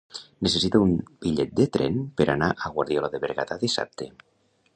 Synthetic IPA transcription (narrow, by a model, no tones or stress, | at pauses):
nesesit̪aumbiʎɛt̪̚d̪et̪ɾɛ̰npeɾanaʔaɣwaɾðjolaðeβeɾɣat̪aðisa̰p̚t̪ʰe